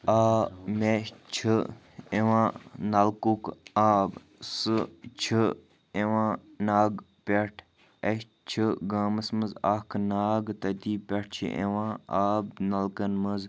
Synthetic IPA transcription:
aːmet͡ʃʰɨ | eʋãːnɐlkukaːb | sɨt͡ʃʰi | eʋãːnaːɡ | pʲeʈʰ | ɐʃ | t͡ʃʰiɡaːmɐsməza̰ːkʰnaːɡt̪ɐt̪iːpʲɐʈ̚ʰt͡ʃʰḭʔḛʋãːaːbnɐlkɐnməz

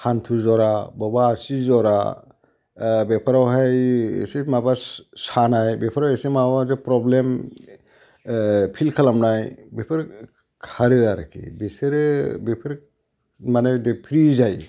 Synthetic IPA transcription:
hʰantʰuzɔɾabɔbaːsizɔɾa̰ | bepʰaɾawɦaj̰simabasanajbepʰaɾawesimawazɯpɾɔblem | pʰilkʰalamnajbepʰɯɾ | kʰaɾɯaɾa̰kʰḭbeseɾbepʰɯɾ | manajdepʰɾizaj

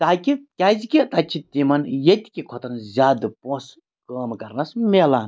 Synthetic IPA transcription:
t̪aːkʲikʲazikʲit̪at͡ʃʰit̪imɐnjet̪ʲi̥kʲikʰot̪ɐnzʲaːd̪ɨpõs | kəːmkɐɾnɐsmelan

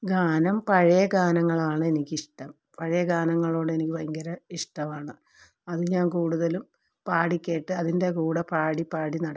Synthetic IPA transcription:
ɡaːnɐmpɐɻɐjɐɡaːnɐŋːɐɭaːɳɨe̞nikʲːiʂʈɐm | pɐɻɐjɐɡaːnɐŋːɐɭo̞ːɽe̞nikʲːiʋɐŋɡɐɾɐiʂʈɐmaːɳɨ | ɐðɨɲaːnkuːɽuðɐlum | paːɽikʲːe̞ːʈːɨɐðinde̞kuːɽɐpaːɽipaːɽinɐɽɐ

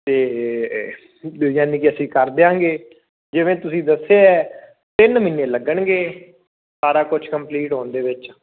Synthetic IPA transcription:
t̪eː | jaːnĩːkɪəsĩːkəɾd̪eãːɡeː | d͡ʒɪʋẽːt̪ʊsĩːd̪əseːɛː | t̪ɪnmɪnːẽːləɡəɳɡeː | saːɾaːkʊt͡ʃʰkəmpliːʈɦõːnd̪eːʋɪt͡ʃ

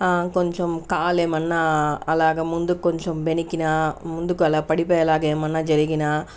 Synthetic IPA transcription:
aːkɔɲt͡ʃomkaːlemɐnːɐɐlaːɡɐmund̪ukːɔɲt͡ʃombɛnikːinɐmund̪ukːɐlaːɐpɐɽipɐjɐlaːɡɐemɐnːɐd͡ʒɐɾiɡinaː

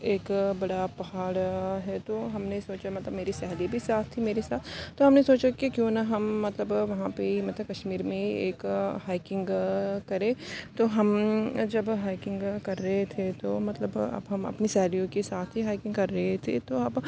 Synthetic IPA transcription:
eːkbɐɽapɐɦaːɽɦɛt̪oɦɐmnesoːt͡ʃamɐt̪ləbmeːɾisɛɦlibʱisaːt̪ʰt̪imeːɾesaːt̪ʰt̪ːoɦɐmnesoːt͡ʃakikjõːnaɦɐmːɐt̪ləbʋɐɦãpemɐt̪ləb̚kɐʃmiːɾmẽeːkɦaːɪkɪ̃ŋɡkɐɾẽt̪oɦɐmd͡ʒɐbɦaːɪkɪ̃ŋɡkɐɾːɐɦet̪ʰet̪omɐt̪ləbɐ̰bɦɐmɐ̰pnisɛɦlijõkesaːt̪ʰɦiɦaːɪkɪ̃ŋɡkɐɾːɐɦet̪ʰḛt̪oɐb

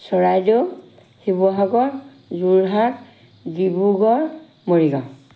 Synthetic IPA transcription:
sɔɹajdɔ | hibɔɦaɡɔɹ | zuɹɦak | ɡibuɡɔɹ | moɹiɡa

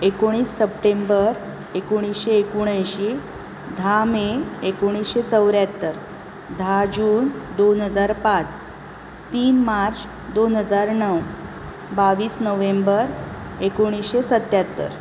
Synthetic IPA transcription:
ekoɽ̃iːsːəpʈembəɾ | ekoɽ̃isɕeːkuɽ̃ajɕe | d̪ʱameekoɽ̃isɕet͡səwɾjat̪ːəɾ | d̪ʱad͡ʑuːnd̪onɦəd͡zaɾpat͡s | t̪iːnmaɾt͡s | d̪onɦəd͡zaɾnəw | baʋiːsnəʋembəɾ | ekoɽ̃isɕesət̪ːjat̪ːə̰ɾ

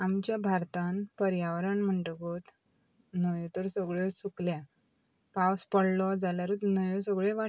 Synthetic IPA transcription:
amt͡ɕjabʱaɾt̪ãnpəɾjaʋɾəɳm̤əɳʈəɡot̪ | nəjɔ̃t̪əɾsəɡɭjesuklja | pawspəɽlɔd͡zaljaɾut̪nəjɔ̃səɡɭeʋa

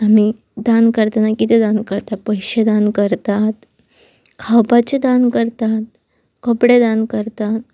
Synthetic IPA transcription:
ami | d̪ankəɾt̪anakit̪ed̪ankəɾt̪at̪̚pəjɕed̪ankəɾt̪at̪ | kʰawpat͡ɕed̪ankəɾt̪at̪̚ | kəpɽed̪ankəɾt̪at̪̚

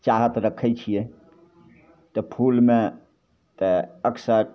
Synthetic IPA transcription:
t͡ʃaɦət̪ɾəkʰɛt͡ʃʰije | t̪ɔpʰulmẽ | t̪eəksəɾ

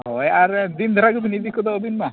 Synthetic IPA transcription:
ɦɦɔjaɾd̪ind̪ʱɔɾaɡubinid̪ikɔd̪ɔobinma

